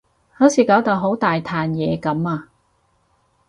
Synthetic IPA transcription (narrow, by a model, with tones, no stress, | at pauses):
ho˨˥wsiː˨˥kaː˨˥wt̪a˨˧wɦo˨˥wt̪aː˨jt̪ʰaː˨njɛː˨˧kɐ˨˥maː˧